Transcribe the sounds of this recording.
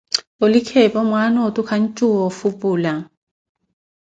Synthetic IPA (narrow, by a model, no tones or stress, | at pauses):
olɪkʰɛpʼɔmwanɔtʼukʰan̩t͡ʃʼuɔfupʼuːla